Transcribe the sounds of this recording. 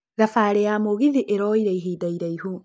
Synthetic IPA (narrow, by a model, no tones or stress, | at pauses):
ɾafaːɾejamoɣiðiʔeɾɔiɾeiɦiːdaiɾaihu